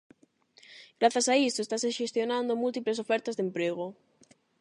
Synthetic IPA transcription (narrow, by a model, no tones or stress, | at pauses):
ɡɾaθasaist̪oest̪aseʃest̪jonãnd̪omult̪iplesofɛɾt̪azðempɾeɣ̞o